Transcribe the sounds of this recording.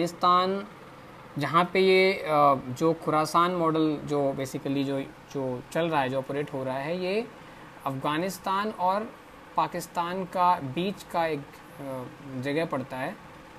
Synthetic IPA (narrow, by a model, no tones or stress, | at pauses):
ɪst̪aːn | d͡ʒɐɦãpeje | d͡ʒoːxʰʊɾaːsaːnmɔːɖəld͡ʒoːbeːsɪkəlid͡ʒoː | d͡ʒoːt͡ʃɐlɾɐɦaɦɛd͡ʒoːɔːpɾeːʈɦoːɾaɦaɦɛje | ɐfɡaːnɪst̪aːnɔːɾ | paːkɪst̪aːnkabiːt͡ʃkaeːk | d͡ʒɐɡɛɦpɐɽt̪aɦɛː